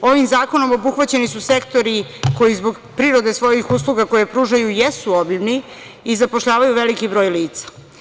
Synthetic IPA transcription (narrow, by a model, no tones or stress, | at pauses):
o̞ʋimzaːko̞no̞mo̞buxʋat͡ɕe̞nisuse̞kt̪o̞ɾiko̞jizbo̞ɡ | pɾiɾo̞d̪e̞sʋo̞jixus̬lˠuɡako̞jepɾuːʒajujesuobibni | izapo̞ʃʎaːʋajuʋelikibɾo̞ːjliːt̪sḁ